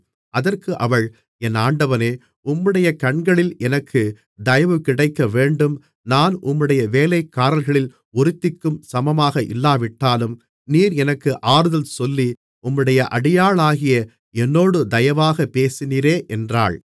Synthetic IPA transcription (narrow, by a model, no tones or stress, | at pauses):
ʔɐðɐrkɯʔɐʋɐɭ | ɛnːaːɳɖɐʋɐneː | ʊmːɯɽɐjɐkɐɳɡɐɭɪlɛnɐkːɯ | d̪ɐjɐʋɯkɪɽɐɪkːɐʋeːɳɖɯm | naːnʔʊmːɯɽɐjɐʋeːlɐɪkːaːɾɐlɣɐɭɪl | ɔɾɪt̪ːɪkːɯmsɐmɐmaːɣɐʔɪ̰lːaːʋɪʈːaːlɯm | niːɾɛnɐkːɯʔaːɾɯðɐlsɔlːi | ʔʊmːɯɽɐjɐʔɐɽɪjaːɭaːɣɪjɐ | ɛnːoːɽɯd̪ɐjɐʋaːɣɐpeːsɪniːɾeːʔɛndra̰ːɭ